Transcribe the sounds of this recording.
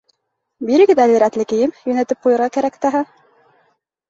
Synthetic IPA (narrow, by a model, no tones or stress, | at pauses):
biɾɘ̆ɡɘðælɘ̆ɾæt̪lɘkɘ̆jɘmjɵ̆næt̪ɘp̚qujɤ̆ɾʁɑkæɾækt̪ɑɦɑ